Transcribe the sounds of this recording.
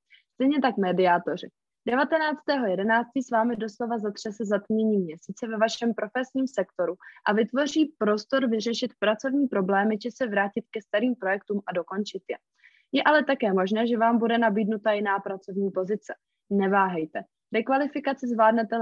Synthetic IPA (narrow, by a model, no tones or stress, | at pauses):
st̪ɛjɲɛt̪̬akmɛdɪat̪o̞r̝ɪ | d̥ɛvat̪ɛnaːt͡st̪ɛːɦo̞jɛdɛnaːt͡st̪ɪsvaːmɪdo̞slo̞vazat̪r̥ɛsɛzat̪mɲɛɲiːmɲɛsiːt͡sɛvɛvaʃɛmpɾo̞fɛsɲiːmsɛkt̪o̞ɾuʔavɪt̪vo̞r̝iːpɾo̞st̪o̞ɾvɪrɛʃɪt̪pɾat͡so̞vɲiːpɾo̞blɛːmɪd͡ʒɛsɛvɾaːcɪt̪̚kɛst̪aɾiːmpɾo̞jɛk̚t̪uːmʔado̞ko̞nt͡ʃɪt̪jɛ | jɛʔalɛt̪akɛːmo̞ʒnɛːʒɛvaːmbudɛnabiːdnut̪ajɪnaːpɾat͡so̞vɲiːpo̞zɪt͡sɛ̥ | nɛvaːɦɛjt̪ɛ | ɾɛkvalɪfɪkat͡sɪzvlaːdnɛt̪ɛ